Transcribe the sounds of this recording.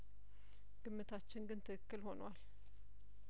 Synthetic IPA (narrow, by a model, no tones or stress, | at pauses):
ɡ̥ɨmːɨt̪ʰat͡ʃːɪnɡɨnt̪ʰɨkɨkːɨlho̞nwal